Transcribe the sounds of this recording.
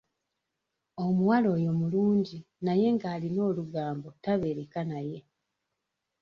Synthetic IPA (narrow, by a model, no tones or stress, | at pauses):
o̞muwalo̞ːjo̞muluːɲɟi | naje̞ŋɡaːlino̞ːluɡaːmbo̞taβe̞ːɾekanaje̞